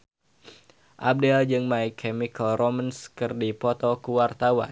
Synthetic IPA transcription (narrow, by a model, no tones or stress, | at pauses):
ʔab̚dɛld͡ʒɨŋmaikʰɛmikəlromanskɨrdipɔt̪ɔkuwart̪awa̰n